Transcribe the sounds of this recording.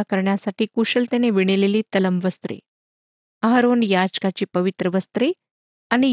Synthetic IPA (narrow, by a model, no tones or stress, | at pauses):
akəɾɳjasaʈiːkuɕəlt̪eneʋiɽ̃eleliːt̪ələmʋəst̪ɾḛ | əɦəɾonjad͡ʑkat͡ɕiːpəʋit̪ɾəʋəst̪ɾe | añi